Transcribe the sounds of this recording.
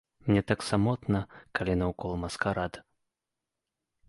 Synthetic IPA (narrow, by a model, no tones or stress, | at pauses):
mnʲɛt̪aksamɔt̪nɐkalʲinɐwkɔlˠmɐskaɾad̪